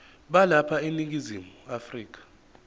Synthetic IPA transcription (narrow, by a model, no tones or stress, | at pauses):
ɓalapʰaenik̬ʼizimuafriːk̬ʼḁ